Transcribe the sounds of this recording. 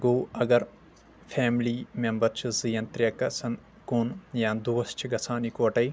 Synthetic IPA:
ɡoːɐɡɐɾ | fʰeːmliːmembɐɾt͡ʃʰizijɐnt̪ɾʲjɐkɐsɐn | kuːnjaːnd̪uʋɐst͡ʃʰiɡɐsaːnikoːʈɐj

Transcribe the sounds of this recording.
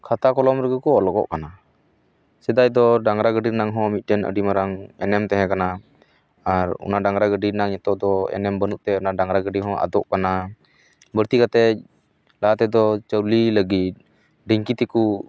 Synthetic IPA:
kʰat̪akɔlɔmɾɛɡəkɔɔlɔɡɔ̰ʔkana | sɛd̪ajd̪ɔɖaŋɾaɡəɖiɾnaŋɦɔ̃mit̪̚ˀʈənə̰ɖimaɾaŋɛnɛmt̪ɛɦɛ̃kana | aɾɔ̰naɖaŋɾaɡəɖinaŋɲɛt̪ɔʔd̪ɔɛ̰nɛmbənuʔt̪ɛɔnaɖaŋɾaɡəɖiɦɔ̃ʔa̰d̪ɔʔkana | bəɾt̪ikat̪ɛc̚ | laat̪ɛd̪ɔt͡ʃəwliləɡit̪̚ | ɖiŋkit̪iku

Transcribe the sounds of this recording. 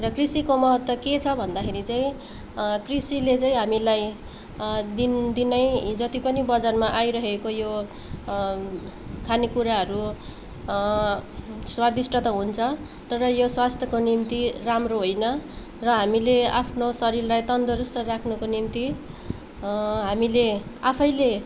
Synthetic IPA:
rʌkrisikomʌɦʌt̪ːʌket͡sʰʌbʱʌnd̪akʰeɾit͡saĩ | krisilet͡saĩɦamilaj | d̪ind̪inʌjd͡zʌt̪ipʌnibʌd͡zarmaʔajɾʌɦekojo | kʰanikuɾaɦʌɾu | swad̪isʈʰʌt̪ʌɦunt͡sʰʌ | t̪ʌɾʌjoswast̪ʰjʌkonimt̪iramroɦojnʌ | rʌɦamileapʰnosʌɾirlajt̪ʌnd̪ʌɾust̪ʌrakʰnukonimt̪i | ɦamileapʰʌjle

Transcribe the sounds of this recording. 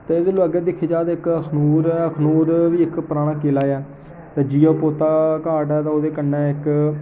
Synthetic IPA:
t̪eːɪd̪loəɡɛːd̪ɪkʰːeːd͡ʒaːd̪ɪkəkʰnuːɾəkʰnuːɾʋiːɪkpəɾaːɽ̃ãːkeːlaːɛː | t̪eːd͡ʒiːoːpoːt̪aːkaːʈɛːt̪ãoːd̪eːkənːɛ̃ːɪk

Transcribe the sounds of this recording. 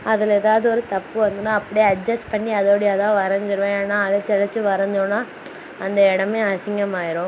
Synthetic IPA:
ɐðɪlɛːðaːʋðɯɔɾɯt̪ɐpːɯʋɐnd̪ɯnːaːɐpːɐɽijɐɖd͡ʒɐspɐɳːiɐðoːɽiɐðãːʋɐɾɐɲd͡ʒɯɾɯʋẽaːnːaːɐðɐt͡ʃɛlɐt͡ʃːɯʋɐɾɐɲd͡ʒõnːaː | ɐnd̪ɐɛɽɐmeːɐsɪŋɡɐmaːjɪɾõ

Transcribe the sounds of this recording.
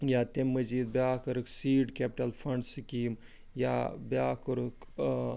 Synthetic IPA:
jaːt̪emːɐziːd̪̚bjaːkɐɾɨksiːɖkeːpʈɐlfʰɐɳɖsikiːm | jabaːkɐɾuk

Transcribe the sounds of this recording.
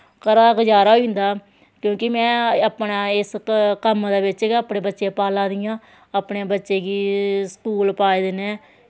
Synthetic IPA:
kəɾaːkd͡ʒaːɾaːɦoĩnd̪aː | kjõːkɪmɛ̃ːəpɳaːɪskəmd̪eːbɪt͡ʃːəpɳẽːbətːʃeːpaːlãːd̪ɪjãː | əpɳeːbətːʃeːɡiːskuːlpaːed̪ɪnẽː

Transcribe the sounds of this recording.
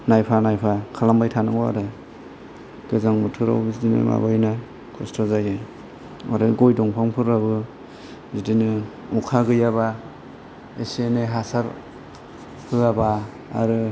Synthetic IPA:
najpʰanajpʰakʰalambajtʰanɯŋa̰ɾɯ | ɡ̥ɯzaŋmutʰɯɾa̰wbzidinɯ̰ma̰bajna | kʰɔstʰɔzajaj | ɔ̰ɾɯɡɔjdɔŋpʰaŋpʰɯɾabɯ | zidinɯ | ukʰaɡɯjaba | eseneɦasaɾ | hʰɯaba̰ː | ɾɯ

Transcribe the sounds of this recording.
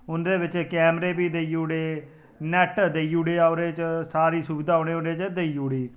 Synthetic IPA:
ʊnd̪eːʋɪt͡ʃkɛːmɾeːbiːd̪eiːuːɽeː | nɛːʈd̪eiːuːɽeːaʊɾeːt͡ʃsaːɾiːsubɪd̪aːoːɽ̃eːʊɾeːt͡ʃd̪eiːuːɽiː

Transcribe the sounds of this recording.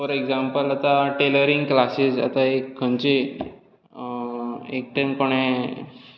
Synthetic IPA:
fəɾeɡzampəlat̪aʈeləɾiŋɡklasiza̰t̪aekkʰːənt͡ɕe | ek̚ʈenkoɽ̃e

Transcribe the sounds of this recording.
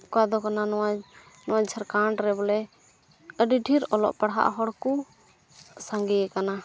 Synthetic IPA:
kad̪ɔkananɔwa | nɔwad͡ʒd͡ʒʰəɾkaɳɖɾɛbɔlɛ | əɖiɖʱiɾɔlɔ̰ʔpaɽɦa̰ʔɦɔɽku | saŋɡɛkana

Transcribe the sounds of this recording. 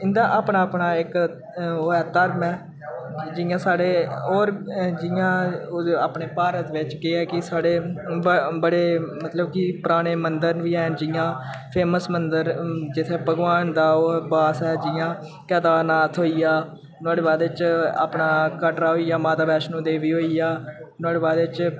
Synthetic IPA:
ɪnd̪aːʔaːpɳaːpɳaːɪk | oːɛːt̪əɾmɛː | d͡ʒɪjãːsaːɽeːoːɾd͡ʒɪjãːaːpɳeːpaːɾət̪ʋɪt͡ʃkɪɛːkɪsaːɽeː | bəɽeːmət̪ləbkipʊɾaːɽ̃eːmənd̪əɾnʋiːɛ̃ːnd͡ʒɪjãː | pʰeːməsmənd̪əɾd͡ʒɪt̪ʰeːbʱəɡʋaːnd̪aːoːbaːsɛːd͡ʒɪjãː | kɛːt̪aːnaːt̪ʰɦoːijaː | naːɽeːbaːd̪ʋɪt͡ʃa̰ːpɳaːkəʈɾaːɦoːijaːmaːt̪aːbɛːʃnũːd̪eːʋiːɦoːiːjaːnaːɽeːbaːd̪ʋɪt͡ʃ

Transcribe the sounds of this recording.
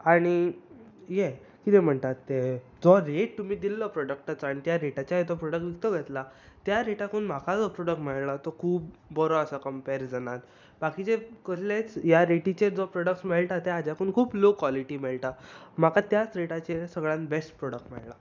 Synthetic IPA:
aɽ̃i | je | kit̪em̤əɳt̪at̪ːe | d͡zɔɾeʈ̚t̪um̤iːd̪ilːəpɾɔɽək̚ʈat͡saɽ̃it̪jaɾeʈat͡ɕjaɦet̪ɔpɾɔɽək̚ʈʋik̚t̪əɡʱet̪la | t̪jaɾeʈakuːnm̤akad͡zɔpɾɔɽək̚ʈmeɭlat̪ɔkʰuːp̚ːɔɾoəsakəmpeɾd͡zənan | bakit͡ɕekəɕlat͡sjaɾeʈit͡ɕed͡zɔpɾɔɽək̚smeɭʈat̪ead͡ʑakuːnkʰuːblokʋɔliʈiːmeɭʈ̪am̤akat̪jat͡sɾeʈat͡ɕesəɡɭãnbesʈpɾɔɽək̚ʈmɛ̰ɭla

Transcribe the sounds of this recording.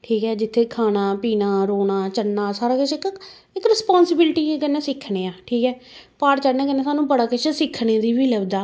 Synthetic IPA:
ʈʰiːkɦɛːd͡ʒɪt̪ʰːeːkʰaːnaːpiːnaːɾoːnaːt͡ʃənːaːsaːɾaːkət͡ʃɪk | ɪkɾɪspaːnsɪbɪlʈiːkənːɛ̃ːsɪkʰːneːaːʈʰiːkɦɛːpaːɾt͡ʃəɽnɛ̃ːkənːẽːsaːnũːbəɽaːkɪt͡ʃsɪkʰɳeːd̪iːʋiːləbd̪aː

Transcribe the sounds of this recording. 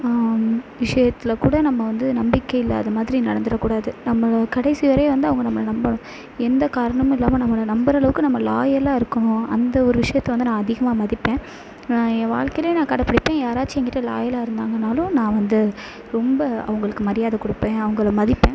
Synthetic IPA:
ʋɪʂɐjɐt̪ːɪlkuːɽɐnɐmːɐʋɐnd̪ɯnɐmbɪkːɐɪlːɐɐðɐmaːðɪɾinɐɽɐnd̪ɯɾɐkːuːɽaːðɯnɐmːɐkɐɽɐɪsiʋɐɾɐjʋɐnd̪ɯɐʋɐŋɡɐnɐmːɐɭɐnɐmbɐɳʊ̃ | ɛnd̪ɐkaːɾɐɳɐmɪlːaːmɐnɐmːɐɭɐnɐmbɐɾɐɭɐʋɯkːɯnɐmːɐlaːjɐlãːɪɾɯkːɐɳʊ̃ɐnd̪ɐɔɾɯʋɪʂɐjɐt̪ːɐʋɐnd̪ɯnãːɐðɪɣɐmaːmɐðɪpːẽː | aẽːʋaːɭkɐɪleːnãːkɐːɽɐpːɐɽɪpːẽːjaːɾaːʈt͡ʃːiɛŋɡɪʈːɐla̰ːjɐlaːɪɾɯnd̪aːŋɡɐnaːlʊ̃nãːʋɐnd̪ɯ | ɾɔmbɐɐ̰ʋɐŋɡɐɭɯkːɯmɐɾɪjaːðɐkʊɽɯpːẽːɐʋɐŋɡɐɭmɐðɪpːẽː

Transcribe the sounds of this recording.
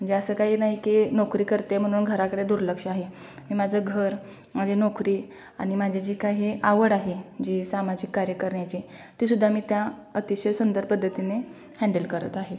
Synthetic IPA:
m̤əɳd͡zeəsəːkaɦiːnaɦikinɔkɾiːkəɾt̪em̤əɽ̃uːnɡʱəɾakəɽed̪uɾləkʂaɦe | miːmad͡zʱəɡʱəɾ | mad͡ʑʱenokɾiː | aɽ̃imad͡ʑʱed͡ʑiːkajɦeʔaʋəɽaɦed͡ʑiːsamad͡ʑikːaɾjəkəɾɳjat͡ɕi | t̪isud̪ʱːamiːt̪ja | ət̪iɕəjsund̪əɾpəd̪ʱːət̪ine | hɛ̃ɳɖəlkəɾə̰t̪aɦe

